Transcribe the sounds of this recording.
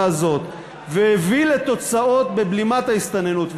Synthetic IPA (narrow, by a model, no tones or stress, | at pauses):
azo̞t̪ | vehevilet̪o̞t͡sao̞t̪̚be̞blimat̪haist̪ane̞nut̪v